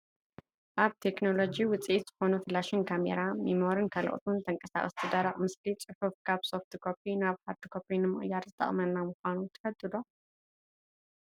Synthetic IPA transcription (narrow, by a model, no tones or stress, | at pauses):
ʔaβt̪ʰe̞kno̞lo̞d͡ʒiwʊt͡sʼʔet̪z̥ɨxo̞nufɨlːaʃɪnkʰamḛɾamimoɾɨnkʰɐl̰ʔʼo̰t̪ʰunt̪ʰɐŋkʼɐsa̰χʼɨst̪ʰɨd̪aɾɐχʼmɨslit͡sʼɨfufkʰaβso̞ft̪ʰɨkʰopinaβhaɾd̪ɨkʰo̞pʰinɨmɨχʼɨjːaɾzɨt̪ʰʼɐ̰χʼmɐnːamɨxʷanut̪ʰɐ̥fɐd̪ʼːɨd̪o